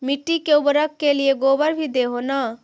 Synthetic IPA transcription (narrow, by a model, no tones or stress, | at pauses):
mɪʈːikeʊbɾəkːelieɡoːbəɾbʱid̪eɦoːna